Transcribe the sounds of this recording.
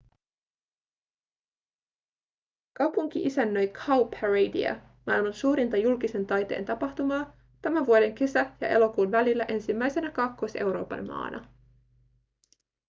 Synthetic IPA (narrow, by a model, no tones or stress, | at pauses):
kɑwpuŋk̟iʔisænːø̞jkʰɑwpʰæɹejdḭɑ̰ | mɑjlmɑnsuːɾint̪ɑjulkise̞nt̪ɑjt̪ḛːnt̪ɑpɑht̪umɑː | t̪æmænʋuode̞ŋke̞sæjɑ̰ʔe̞̰lo̞kuːnʋælilːæʔe̞nsimːæjse̞nækɑkːose̞wɾo̞̰ːpɑ̰nmɑ̰ːnʔɑ̰